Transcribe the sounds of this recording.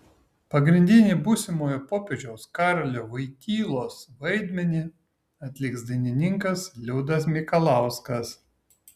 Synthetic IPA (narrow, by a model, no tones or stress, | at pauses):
pɐɡɾʲɪnʲd̪ʲɪnʲiːbuːsʲɪmoːjoːpoːpʲeʒʲɛʊskɑˑɾɐlʲoːʋɐɪkʲiːlˠoːsʋɐɪd̪ʲmʲɛnʲiː | ɐt̪ʲlʲɪksd̪ɐɪnʲɪnʲɪŋkɐslʲʊːd̪ɐs̬mʲɪkɐlˠɑˑʊskɐs